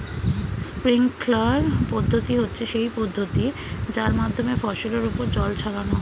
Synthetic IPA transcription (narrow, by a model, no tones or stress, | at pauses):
spɾiŋklaɾpɔd̪ʱːot̪iɦotːɕʰeʃejpɔd̪ʱːot̪i | d͡ʑaɾmad̪ʱːomefɔʃoleɾupoɾd͡ʑɔlt͡ɕʰaɾano